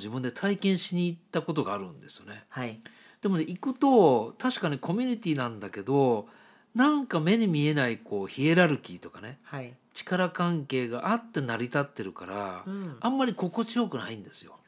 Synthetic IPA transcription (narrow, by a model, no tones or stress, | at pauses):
ʑibɯ̟̃nd̪e̞t̪ʰaikẽ̞ɰ̃ɕiɲ̟iːtt̪ːako̞t̪o̞ɡaːɾɯ̟̰̃nd̪e̞sɨjo̞ne̞a | d̪̥e̞mo̞neikɯ̟t̪o̞t̪aɕi̥kaɲ̟ikʰo̞mʲiɲ̟it̪ʲiːnãnd̪ake̞d̪o̞ | nãŋkame̞ɲ̟imʲie̞naiko̞ːçie̞ɾaɾɯ̟kʲit̪o̞kane̞t͡ɕi̥kaɾakãŋke̞ːɡaʔat̪ːe̞naɾʲit̪at̪ːe̞ɾɯ̟kaɾa̰ːmːaɾʲiko̞ko̞t͡ɕijo̞kɯ̟naĩnd̪e̞sɨ̥jo̞̰